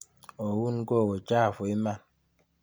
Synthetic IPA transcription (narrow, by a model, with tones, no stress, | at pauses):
ɔ˨wu˦n˦ɡo˦˨ɣo˨t͡ʃa˦˨fo˨i˦ma˦˨n